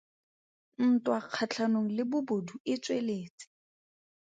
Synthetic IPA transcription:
n̩tʼwaq͡χʰat͡ɬʰanoŋ̩lɪbʊboduɪt͡sʼweleːt͡sʼɪ̥

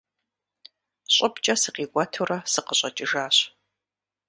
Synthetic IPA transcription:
ɕʼʊpt͡ʃʼɐsɨqiːɡʷʼɐtʰuɾɐsɨqəɕʼɐt͡ʃʼɪʒaːɕ

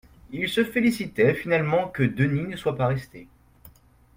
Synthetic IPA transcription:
ilsəfelisit̪ɛfinalmɑ̃kəd̪əninəswapaʁɛst̪e

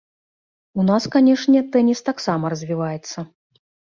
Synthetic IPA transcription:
unaskanʲɛʂnʲɛt̪ɛnʲist̪aksamɐɾɐzʲvʲivajɛt̪sːɐ

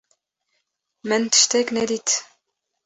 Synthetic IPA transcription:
mænt̪ʃt̪æknæd̪it̪

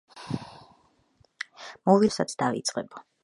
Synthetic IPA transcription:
mɔvisat̪sʰd̪avḭt̪sʼqʼɛba

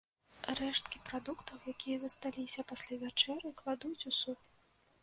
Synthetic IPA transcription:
rɛʂt̪kʲipɾad̪ukt̪ʰɐwjakʲijɐzɐst̪alʲisʲɐpasʲlʲavʲat͡ʂɛrʲɨklˠad̪ut͡sʲusup

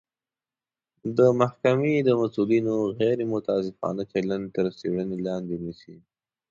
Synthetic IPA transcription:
d̪əmahkamed̪əmasulinoɣɛɾemʊt̪ɑsɪfɑ̰nat͡ʃelant̪əɾseɽənelɑnd̪enisi

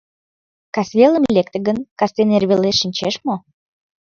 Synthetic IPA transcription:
kɑsvʲelə̆mlʲek̚t̪ə̆ɣənkɑst̪enerβʲeleʃinʲt͡ɕeʃmo

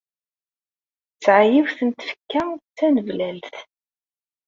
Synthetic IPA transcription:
t͡sːʕajiwθənt̪fə̥kːæt͡sːænəvlælθ

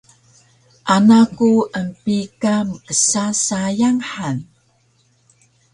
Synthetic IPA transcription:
ʔanakuʔəmpikaməkəsasajaŋħan

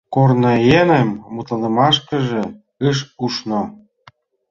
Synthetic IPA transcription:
kornɤjenə̆mːut̪ɤ̆lə̆mɑʃkə̆ʒĕ | ɯʃuʃno

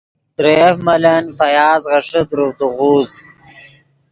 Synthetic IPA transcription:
t̪ɾefmɐlɐnfɐjaːzʁɐʂəd̪ɾud̪uʁuːz

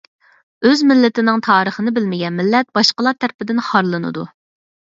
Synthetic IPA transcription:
øzmɪlːɪt̪ʰɪnɪŋt̪ʰɑːɾəχənɨbɪlmɪɡʲɛnmɪlːɛt̪̚b̥ɑʃqəlˠɑɾt̪ʰæɾpɪd̪ɪnχɑɾlˠɨnɨ̰d̪u

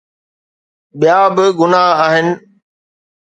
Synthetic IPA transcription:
ɓijaːbɪɡʊnaaːɦɪnɪ̆

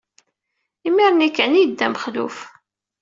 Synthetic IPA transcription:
imiɾnikːʕənid̪ːæməχlṵf

